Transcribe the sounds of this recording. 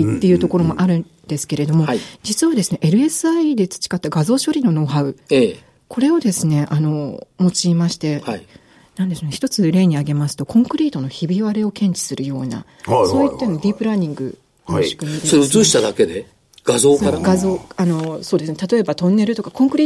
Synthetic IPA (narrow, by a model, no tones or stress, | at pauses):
it̪ːe̞jɯ̟ːt̪o̞ko̞ɾo̞mo̞ʔaɾɯ̟nd̪e̞sɨ̥ke̞ɾe̞d̪o̞mo̞d͡ʑit͡sɨβad̪e̞sɨne̞ʔeɾɯ̟e̞sɨaid̪e̞t͡sɨ̥t͡ɕi̥kat̪ːaɡazo̞ːɕo̞ɾʲino̞no̞ːɦaɯ̟e | ko̞ɾe̞o̞d̪e̞sɨne̞ʔano̞mo̞t͡ɕiːmaɕi̥t̪e̞ai | nãnd̪eɕoneçi̥t̪o̞t͡sɨɾe̞ːɲ̟iaɡe̞masɨ̥t̪o̞kõŋkɯ̟ɾʲiːt̪o̞no̞çibʲiβaɾe̞o̞kẽ̞ɲ̟t͡ɕi̥sɨɾɯ̟jo̞ːna̰ | so̞ːit̪ːenod̪ʲipɯ̟ɾaɲ̟ĩŋɡɯ̟̰ | oi̥kɯ̟ɲisoɾeɯ̟t͡sɨːɕi̥t̪ad̪ake̞d̪e̞ | ɡ̥azo̞ːkaɾɡazo̞ːano̞so̞ːd̪e̞sɨnet̪at̪oe̞bat̪õ̞nːe̞ɾɯ̟t̪o̞kakõ̞ŋkɯ̟ɾʲiː